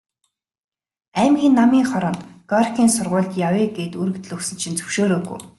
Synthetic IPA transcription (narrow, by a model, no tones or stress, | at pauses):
æːmɡʲiːnːamiːŋχɔɾɞ̆nt̪ɡ̥ɔrxʲiːnsʊrʁʊːɮt̪jaweːɡeːt̪uɾɘ̆kt̪ɘ̆ɮɵksɘ̆nt͡ɕʰĭnt͡sɵ̥wʃoːɾoːɡṵj